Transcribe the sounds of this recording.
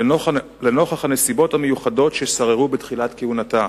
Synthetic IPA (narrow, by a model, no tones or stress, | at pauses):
leno̞χaχhane̞sibo̞thamejuχado̞tʃesaʁeʁubetχilatkehunata